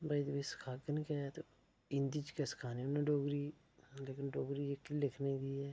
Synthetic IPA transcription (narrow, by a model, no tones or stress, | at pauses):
baid̪biskʰaːkənkɛt̪o | ɪnd̪it͡ʃkɛskʰaːniʊnẽɖoːɡɾiː | leːkɪnɖoːɡɾiːd͡ʒekːilɪkʰned̪iːɛː